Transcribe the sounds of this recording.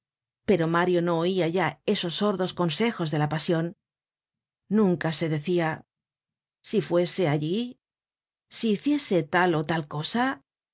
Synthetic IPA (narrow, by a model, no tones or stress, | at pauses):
pe̞ɾo̞maɾjo̞no̞ːiaʝae̞so̞sːo̞ɾðo̞sko̞nse̞xo̞zðe̞lapasjo̞n | ũŋkase̞ðe̞θia | sifwe̞se̞aʎi | siːθje̞se̞t̪alo̞t̪alko̞sa